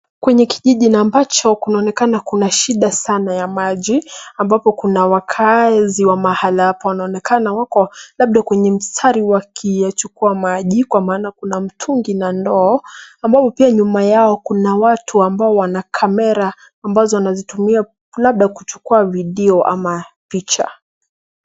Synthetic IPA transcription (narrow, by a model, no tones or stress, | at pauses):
kwɛɲɛkiʄiʄinaːmbat͡ʃɔkinaɔnɛkanakunaʃiɗasanajamaʄiambapɔkunawakʰaziwamahalaapawanaɔnɛkanawakɔlaɓ̚ɗakwɛɲɛm̩stʰaɾiwakʰijat͡ʃukuamaʄikwamaːnakunam̩tʰuŋɡinandɔːambapɔpiaɲumajaɔkunawatʰuambaɔwanakʰamɛɾaː | mbazɔwanazitumia | laɓ̚ɗakut͡ʃu̥kuaviɗɛɔʔa̰mapit͡ʃa̰